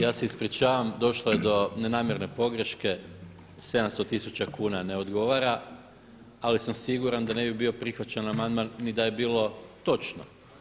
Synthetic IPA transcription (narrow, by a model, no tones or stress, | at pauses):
jaːse̞ispɾit͡ɕaːʋamd̪o̞ʃlˠojed̪o̞nenaːmjeɾne̞po̞ɡɾeʃke̞ | se̞d̪amst̪o̞t̪isut͡ɕakuːnane̞o̞d̪ɡo̞ʋaːɾa | alisamsiɡuɾand̪ane̞bibio̞pɾixʋat͡ɕanamand̪manːid̪aje̞biːlˠo̞t̪o̞t͡ʃno